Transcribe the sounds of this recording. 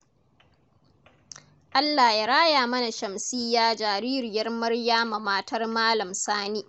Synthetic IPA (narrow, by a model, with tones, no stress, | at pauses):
ʔa˦lːa˨jaː˦ɽaː˦jaː˨mɐ˦na˨ʃɐ˨msi˦jːaː˦d͡ʒaː˨ɾiː˦ɾɪ˨jɐ˦rmɐ˦rjaː˦ma˨maː˦tʰɐ˦rmaː˦lɐ˨msaː˦niː˦